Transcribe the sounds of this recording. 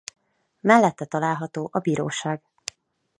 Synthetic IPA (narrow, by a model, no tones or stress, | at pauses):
mɛlːɛt̪ːɛt̪ɒlaːlɦɒt̪oːʔɒbiːɾo̰ːʃaːɡ